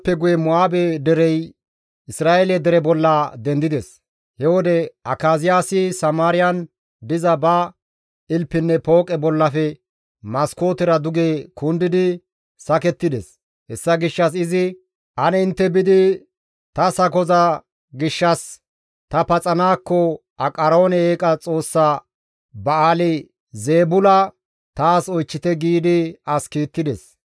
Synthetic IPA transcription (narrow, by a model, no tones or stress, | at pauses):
pːɛɡʊjɛmʊaːbɛd̪ɛɾɛj | ʔɪsɾaːʔɛlɛd̪ɛɾɛbɔlːɐd̪ɛnd̪ɪd̪ɛs | hɛwɔd̪ɛʔɐkːaːzɪjaːsɪsɐmaːɾɪjɐn | d̪ɪzɐbɐ | ɪlpːɪnːɛpo̞ːkʼɛbɔlːɐfɛ | mɐsko̞ːt̪ɪɾɐd̪ʊɡeːkʰʊnd̪ɪd̪ɪ | sɐkɛt̪ːɪd̪ɛs | hɛsːɐɡɪʃːɐs̬ɪzɪ | ʔɐnɛɪnt̪ːɛbɪd̪ɪ | t̪ɐsɐkɔzɐ | ɡɪʃːɐs | t̪ɐpɐt͡sʼɐnaːkːɔ | ɐkʼɐɾo̞ːnɛeːkʼɐt͡sʼo̞ːsːa | bɐaːlɪ | ze̞ːbʊlɐ | t̪aːsɔjt͡ʃːɪt̪ɛɡiːd̪ɪɐskiːt̪ːɪd̪ɛs